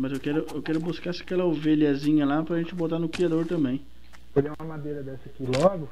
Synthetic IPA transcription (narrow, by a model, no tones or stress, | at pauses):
mɐzewkɛɾʊewkɛɾʊbuskasɪɐkɛlɐoveʎɐzĩɲɐlapɾɐʒẽnt͡ʃɪbot̪anʊkɾiad̪oɾt̪ɐ̃mbẽj̃ | olɛũmɐmad̪ejɾɐd̪ɛsɐkilɔɡʊ